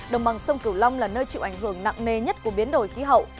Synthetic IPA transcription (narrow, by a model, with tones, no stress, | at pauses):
ɗə˨˩wŋ͡mɓa˨˩ŋsə˧wŋ͡mkɨ˧˩wla˧wŋ͡mlaː˨˩nəː˧jt͡ɕḭ˧˨wʔa˧˩jŋɦɨ˧˩əŋna̰˧˨ŋne˨˩ɲə˦˥t̚ku˧˩əɓi˨˦ənɗo̰˧˩˨jxi˨˦ɦə̰˧˨wʔ